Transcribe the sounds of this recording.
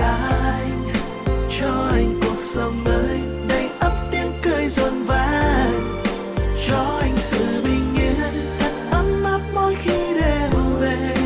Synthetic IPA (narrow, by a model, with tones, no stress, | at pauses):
a˧j | t͡ɕɔ˧ʔa˧jŋ̟ku˨˩ət̚sə˧˩wləː˧˨˦j | ɗə˧˩jʔə˦˥p̚t̪i˧əmkə˧jzo˨˩nvaː˧˦ | zɔ˧ʔa˧jŋ̟sɨ̰˧˨ɓi˧ŋ̟ːi˧˦n | ʔa˧nʔə˧˦mma˦˥t̚mo˧˥jxi˧ɗe˧˩ɦve˧˩